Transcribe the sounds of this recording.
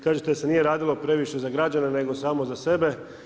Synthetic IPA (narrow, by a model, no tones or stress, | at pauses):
kaːʒet̪ese̞nije̞ɾaːd̪ilˠopɾe̞ʋiʃe̞zaɡɾad͡ʑanene̞ɡo̞saːmo̞zase̞be̞